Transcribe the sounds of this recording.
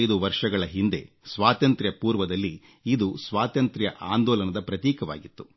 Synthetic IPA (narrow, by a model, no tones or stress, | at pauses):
jd̪uʋɐɾʂɐɡɐɭɐɦind̪e̞̰ | sʋaːt̪ɐnt̪ɾjɐpuːɾʋɐd̪ɐlːi | id̪usʋaːt̪ɐnt̪ɾjɐ̰ʔaːnd̪ɔːlɐnɐd̪ɐpɾɐt̪iːkɐʋa̰ːɡit̪ːu̥